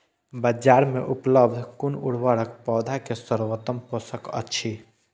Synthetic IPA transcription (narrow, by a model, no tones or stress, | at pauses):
bəd͡ʒaɾmeʔupləb̚d̪ʱkunuɽ̤ʋaɽəkpɔːd̪ʱakesəɾʋət̪əmposəkə̰tːʃʰi